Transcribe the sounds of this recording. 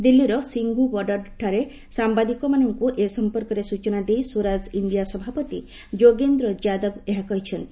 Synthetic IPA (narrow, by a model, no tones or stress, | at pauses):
d̪ilːiɾɔsiŋɡubɔɖɔɾʈʰaɾe | sambad̪ikɔmanɔŋkuʔesɔmpɔɾkɔɾesut͡ʃɔnad̪ejsuɾaziɳɖijasɔbʱapɔt̪i | d͡ʒoɡend̪ɾɔd͡ʒad̪ɔbeɦakɔɦit͡ʃʰɔn